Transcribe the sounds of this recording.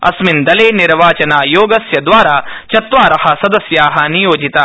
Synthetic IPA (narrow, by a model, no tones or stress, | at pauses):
ɐ̰smind̪ɐleːniɾʋaːt͡ʃɐnaːjoːɡɐsjɐd̪ʋaːɾaːt͡ʃɐt̪ʋaːɾɐhɐ̆sɐd̪ɐsjaːɦɐnijoːd͡ʒit̪aː